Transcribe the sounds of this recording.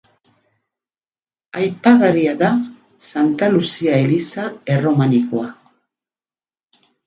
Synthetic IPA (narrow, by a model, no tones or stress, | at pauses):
ajpaɣaɾiaða | sant̪alusiae̞lisae̞ro̞maniko̞a